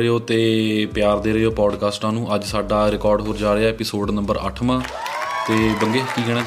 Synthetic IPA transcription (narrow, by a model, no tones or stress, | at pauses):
ɾeoːt̪eːpjaːɾd̪eːɾəːoːpɔːɖkaːsʈãːnũːʔəd͡ʒsaːɖaːɾɪkɔːɾɖɦoːɾd͡ʒaːɾeaːɛːpɪsoːɖnə̃mbəɾə̰ʈʰmãː | t̪eːbəŋɡeːkiːɡɛːɽ̃ẽː